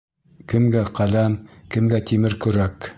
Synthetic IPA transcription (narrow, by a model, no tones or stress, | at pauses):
kɘ̆mɡæqælæmkɘ̆mɡæt̪imɘɾkɵ̆ɾæk